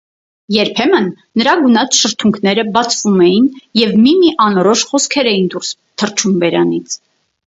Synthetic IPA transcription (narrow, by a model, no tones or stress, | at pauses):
jɛɾpʰɛmənːəɾɑɡunɑt͡sʰʃəɾt̪ʰuŋkʰnɛɾəbɑt͡sʰvumɛjinjɛvmimiʔɑnɔɾɔʃχɔskʰɛɾɛjind̪uɾs | t̪ʰərt͡ʃʰumvɛɾɑnit͡sʰ